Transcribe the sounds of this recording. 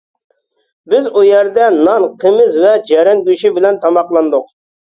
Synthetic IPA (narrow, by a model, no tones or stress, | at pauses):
bɪzujɛɾd̪ɛnɑnqʰəmɪzvɛd͡ʒɛɾɪŋɡʲyʃibɪlɛnt̪ʰɑmɑqlˠɑnd̪ʊq